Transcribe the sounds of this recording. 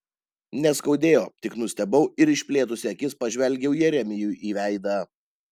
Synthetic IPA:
nʲɛskɒʊd̪ʲeːjoːt̪ʲɪknʊsʲt̪ʲɛbɐʊɪɾɪʃʲpʲlʲeːt̪ʊsʲɪɐkʲɪspɐʒʲʋʲɛlʲɡʲɛʊjɛɾʲɛmʲɪjuːʔiːʋʲæɪd̪ɑː

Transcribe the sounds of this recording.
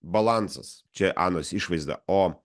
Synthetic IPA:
bɐlˠant̪sɐst͡ʃʲɛʔɑ̰ːnoːsʲiʃʋɐɪzd̪ɐ̰oː

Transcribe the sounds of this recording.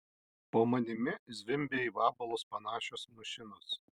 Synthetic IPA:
poːmɐnʲɪmʲɪzʲʋʲɪmʲbʲeːiːʋɑːbɐlˠoːspɐnɑːʃʲoːsmɐʃʲɪnɔs

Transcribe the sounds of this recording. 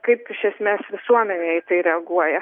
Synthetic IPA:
kɐɪpɪʃʲɛsʲmʲeːsʋʲɪsuɔmʲɛnʲeːɪt̪ɐɪɾʲɛɐɡuɔjɛ

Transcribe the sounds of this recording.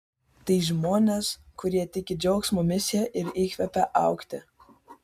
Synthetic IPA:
t̪ɐɪʒmoːnʲeskʊɾʲiɛt̪ʲɪkʲɪd͡ʒʲɛʊksmuːmʲɪsʲɪjɛʔɪɾiːkʲʋʲɛpʲɛʔɑˑʊkt̪ʲɪ

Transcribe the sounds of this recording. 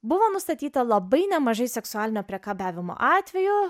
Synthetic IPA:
bʊʋoːnʊst̪ɐt̪ʲiːt̪ɐlˠɐbɐɪnʲɛmɐʒɐɪsʲɛksʊaːlʲɪnʲoːpʲɾʲɛkɑːbʲæːʋʲɪmo̰ʔɑːt̪ʲʋʲɛjʊ

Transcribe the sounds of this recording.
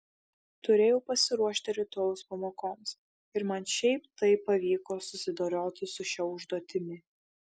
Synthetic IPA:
t̪ʊɾʲeːjɛʊpɐsʲɪɾuɔʃʲt̪ʲɪɾʲɛt̪ːoʊspɐmoːkoːms | ɪɾmɐnʃʲɛɪpt̪ɐɪpːɐʋʲiːkoːsʊsʲɪd̪oːɾʲoːt̪ʲɪsʊʃʲɛʊʒd̪uɔt̪ʲɪmʲɪ

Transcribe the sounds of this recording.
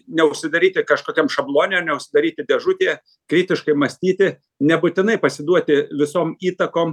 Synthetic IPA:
nʲɛʊʃʲsʲɪd̪ɐɾʲiːt̪ʲɪkɐʃkoːkʲɛmʃɐblˠoːnʲeːnʲɛʊʃʲsʲɪd̪ɐɾʲiːt̪ʲɪd̪ʲɛʒʊt̪ʲeː | kɾʲiːt̪ʲɪʃkɐɪmɐsʲt̪ʲiːt̪ʲɪ | nʲɛbʊt̪ʲɪnɐɪpɐsʲɪd̪uɔt̪ʲɪʋʲɪsoːmiːt̪ɐkoːm

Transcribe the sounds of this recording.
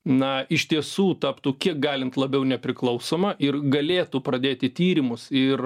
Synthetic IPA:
nɐɪʃʲt̪ʲiɛsuːt̪ɑːpt̪ukʲiɛk̚ɡɑːlʲɪnt̪lˠɐbʲɛʊnʲɛpʲɾʲɪklˠɐʊsoːmɐʔɪrɡɐlʲeːt̪upɾɐd̪ʲeːt̪ʲɪt̪ʲiːɾʲɪmʊsɪr

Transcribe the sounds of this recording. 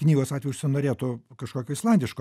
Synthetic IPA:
knʲiːɡoːsɑtʲʋʲɛjʊʃʲsʲɪnoːɾʲeːt̪ukɐʃkoːkʲoːɪslˠɐnʲd̪ʲɪʃko

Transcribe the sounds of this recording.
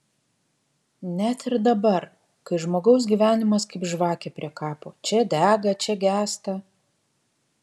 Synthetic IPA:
nʲæt̪ɪɾd̪ɐbɐɾ | kɐɪʒmoːɡɒʊs̬ɡʲiːʋʲæːnʲɪmɐskɐɪpʒʋɑːkʲeːpʲɾʲiɛkɑːpoːt͡ʃʲɛd̪ʲæːɡɐt͡ʃʲɛɡʲæːst̪ɐ

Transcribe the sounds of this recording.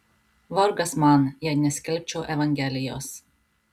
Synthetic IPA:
ʋɔɾɡɐsmɑnjɛnʲɛsʲkʲɛlʲp̚ʲt͡ʃʲɛʊʔɛʋɐŋʲɡʲɛlʲɪjoːs

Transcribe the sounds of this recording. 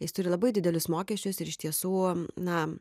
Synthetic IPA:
jɪst̪ʊɾʲɪlˠɐbɐɪdʲɪd̪ʲɛlʲʊsmoːkʲiɛsʲt͡ʃʲʊsɪɾɪʃt̪ʲiɛsuːnɐ

